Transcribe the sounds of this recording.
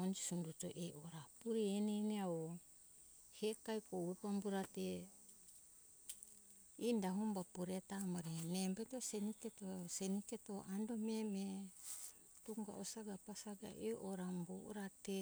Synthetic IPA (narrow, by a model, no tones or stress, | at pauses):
ond͡ʒisunduto̰ʔeʔoɾapuɾeeneneao | hekajkowepambuɾate | indaɦumbapoɾetamaɾinembatoseniketoseniketoʔandomeme | toŋɡa̰ʔosaɡapasaɡa̰ʔeʔoɾambo̰ʔɾate